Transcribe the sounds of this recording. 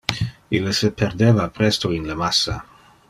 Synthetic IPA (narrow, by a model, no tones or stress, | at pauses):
ilːsepʰerd̪eːvapɾɛst̪oinleamasːa̰